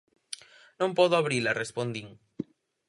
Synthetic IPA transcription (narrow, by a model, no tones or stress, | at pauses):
nõmpɔðoaβɾilarespond̪iŋ